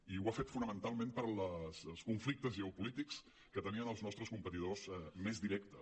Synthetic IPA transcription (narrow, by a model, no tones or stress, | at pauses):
iwafet̪funəmənt̪alˠmẽmpəɾləslˠskuɱflik̚t̪əzʒɛupulit̪iks | kət̪əniənəlˠznɔst̪ɾəskumpət̪iðozɛmezðiɾɛkt̪ə